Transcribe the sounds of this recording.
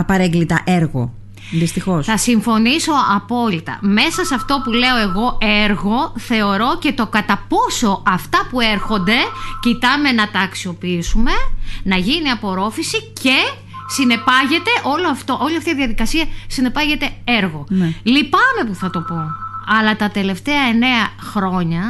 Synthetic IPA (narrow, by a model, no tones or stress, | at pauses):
ɐpɐɾeŋɡlit̪ɐʔeɾɣo̰ | ðist̪ixo̞sθɐsiɱfo̞niso̞ɐpo̞lit̪ɐ̰me̞sɐsɐft̪o̞pule̞o̞e̞ɣo̞ʔeɾɣo̞θe̞o̞ɾo̞ce̞t̪o̞kɐt̪ɐpo̞so̞ʔɐft̪ɐpue̞ɾxo̞nd̪e̞cit̪ɐme̞nɐt̪ɐːksio̞piisume̞nɐʝiniɐpo̞ɾo̞fisice̞ | sine̞pɐʝe̞t̪e̞ʔo̞loɐft̪oʔo̞liɐft̪iðiɐðikɐsiɐsine̞pɐʝe̞t̪e̞eɾɣo̞nlipɐme̞puθɐt̪o̞po̞ɐlɐt̪ɐt̪e̞le̞ft̪e̞ɐe̞ne̞ɐxɾo̞ɲɐ